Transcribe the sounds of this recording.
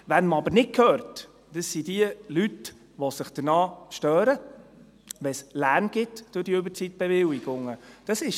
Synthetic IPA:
ʋænməɑbəɾnɪtkʰœːɾt | d̥əsːid̥iəlyt | ʋɔsɪχd̥̪ənɑːʃtœːɾə | ʋɛslæɾnɡ̥ɪtd̥ʊdiɵbəɾt͡sit̪̚b̥ɛvɪwɪɡ̥ʊŋːəd̥əsɪʃ

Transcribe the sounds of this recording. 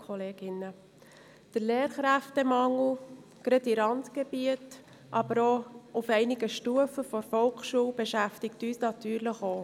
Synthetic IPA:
kʰɔleːɡɪnə | d̪̥əɾleːɾχɾæftɛmɑŋl̩ | ɡ̥ɾɛtiɾɑntɡ̥eb̥iət | ʔɑb̥əɾoufɛɪnɪɡəʃtuəfəfɔɾfɔlkʃuːwbeʃæftɪktyːsnɑtyːɾləχoː

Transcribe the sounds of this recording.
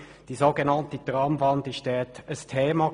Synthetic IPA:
d̥iːzoɡenɑntədʁɑmvɑndiʃtɛːtəstʰeːmɑ

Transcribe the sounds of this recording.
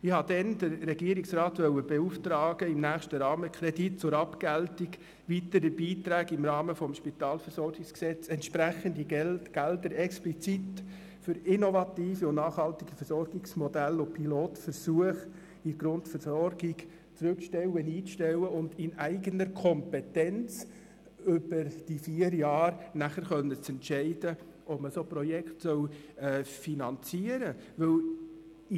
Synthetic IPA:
ɪhɑd̥ɛnd̥əɾːɛɡiːəɾɪksrɑːtʋœwəb̥ɛuftɾɑːɡ̥əɪmnæːχʃtəɾɑːməkʰɾɛdit̚t͡sʊɾɑpkæltiɡ | ʋitəɾəbiːtɾæːɡɪmɾɑːməfɔmʃpit̪ɑːlfəɾsɔɾɡɪksksɛt͡sɛntʃpɾæχəndiɡɛlɡ̥ældəɾɛksplit͡sit | fʏɾɪnɔvɑtiːfiʊnnɑːχhɑltiɡ̥ifəɾsɔrɡɪksmɔdælʊpʰiloːtfəɾsuəχ | ɪɡ̥ɾʊntfəɾsɔɾɡɪɡ | t͡sɾʉkʃtɛwəniːt͡sʃtɛwəʊnd̪ɪnæɪɡənəɾkʰɔmpɛtɛnt͡s | ʏb̥əɾd̥ifiəɾjɑːɾnæχəɾχœnət͡sɛntʃɛɪdə | ʔɔpməsoːpɾɔjɛkχtsœwɛːfinɑnt͡siəɾəʋɵl

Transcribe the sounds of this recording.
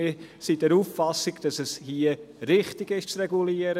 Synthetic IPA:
ɪsidɛɾuːfːɑsɪɡd̥ɑsɛshiə | ɾɪχtɪɡɪʃt͡srɛɡuliəɾə

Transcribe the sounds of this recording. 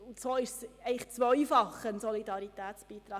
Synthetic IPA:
ʊntsoːɪʃsɛɪəχt͡sʋœʏfɑχənsɔlidɑɾitæːtt͡sb̥iːt̪ɾɑː

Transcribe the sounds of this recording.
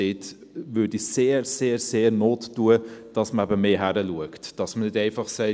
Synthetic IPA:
eːt | ʋʏːɾdiseːɾseːɾseːɾnoːtːuəd̥ɑsməæbəmeːɦæɾəluəktd̥ɑsmənɪdɛɪfɑχsɛɪ

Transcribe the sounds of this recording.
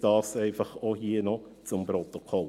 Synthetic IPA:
d̥ɑːsɛɪfɐχohiːənɔt͡sʊmpɾot̪okʰɔl

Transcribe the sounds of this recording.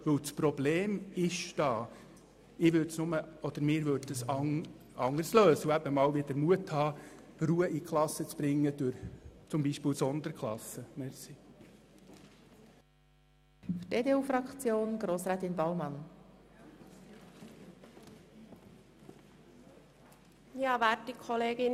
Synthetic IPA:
ʋɵwt͡spɾɔbleːmɪʃd̥ɑː | ɪːʋʏtsnʊməɔd̥̪əɾmɪːɾʋøɾd̚dəsɑŋ | ɑŋəɾsløːsəuæbəmɑːlʋidəɾmuəthɑː | ruːəʔikʰχlˠɑsːət͡sb̥ɾɪŋːəd̪̥ʊɾt͡sʊmbiʃpɪːlwsɔnd̪əɾkχlɑsəmɛsi | fyteːdeːuːfrɑkt͡sjoːnɡ̥ɾoːsɾæːt̪ɪnbɑwmɑn | jɑːʋæːtːikʰɔleːɡɪn

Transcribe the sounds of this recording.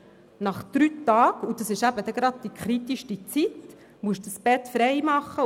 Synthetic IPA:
nɑχd̪̥ɾyːtɑːɡ̥ud̥̪ɑsɪʃæbəd̪ɛɡ̥ɾɑd̪̚d̥ikʰχɾit̪iʃtit͡sit̪ | muəʃdəsb̥ɛt̪fɾɛɪmɑχːə

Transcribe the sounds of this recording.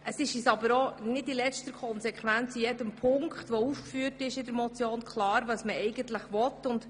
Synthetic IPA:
ʔəsɪʃisɑbəɾɔnɪdilɛstəɾkʰɔnsɛkʰχʋænt͡sijɛdəmpʰʊŋkχtʋɔufkfyːərtɪʃɪdəɾmɔt͡sjoːnkʰlˠɑːɾʋɑsməɛɪɡəntləχʋɔtːʊnd̥

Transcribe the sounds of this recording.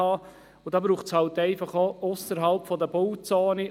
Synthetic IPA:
ɑː | ʊd̥ɑːbɾuːχshɑltɛɪfɑχoʔosəɾɦɑlpfɔdəbowt͡soːni

